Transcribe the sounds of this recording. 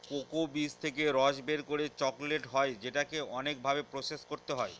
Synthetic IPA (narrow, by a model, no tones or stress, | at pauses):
kokobist̪ʰekeɾɔʃbeɾkoɾet͡ɕɔkleʈɦɔed͡ʑeʈakeɔnek̚bʱabepɾoseskoɾt̪eɦɔe